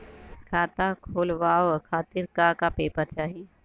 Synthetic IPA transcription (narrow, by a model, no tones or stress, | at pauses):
kʰaːt̪akʰoːlʋaːokʰaːt̪ɪɾkaːkapeːpəɾt͡ʃaːɦi